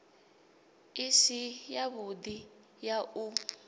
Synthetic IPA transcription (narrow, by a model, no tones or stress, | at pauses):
isijaβud̪i | jau